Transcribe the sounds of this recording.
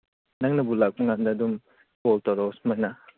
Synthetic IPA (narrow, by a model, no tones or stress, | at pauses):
naŋnɐbulak̚maŋandaːdum | pɔltaɾɔsmajna